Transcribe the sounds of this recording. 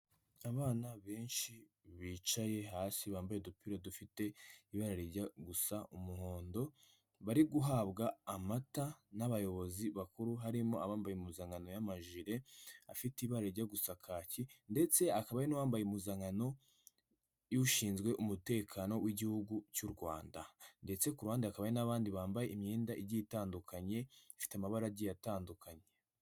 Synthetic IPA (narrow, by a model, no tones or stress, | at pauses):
aβaːnaβe̞ːnʃi | βiːt͡ʃaje̞ɦaːsiβaːmbajedupiɾodufite̞iβaɾaɾiɾɟaɡusaʔumuho̞ːndo̞ | βaɾiɡuɦaβɡaːmatanaβajo̞βo̞ziβakuɾuɦaɾimo̞aβaːmbajumuzaŋɡano̞jamaʒiɾe̞afitiβaɾeɾɟaɡusakʰacinde̞t͡se̞akaβajenuwaːmbajeumuzaŋano̞ | juʃiːnzɡwe̞ʔumute̞ːkʰano̞wʔiɟihuɡucuɾɡwa̰ːndande̞t͡se̞kuɾwaːndaakaβajenaβaːndiβaːmbajeimɲiːndaʔiɾɟitaːndukʰaɲe̞ifi̥tamaβaɾaɟijataːndukʰaɲe̞